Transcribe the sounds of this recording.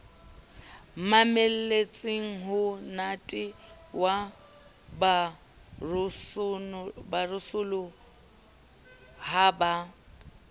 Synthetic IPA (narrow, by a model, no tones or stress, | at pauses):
mamel̩let͡sʼɪŋ̩ɦʊnatʼɪ | wa | ba | rʊsʊbarʊsʊlʊ | haba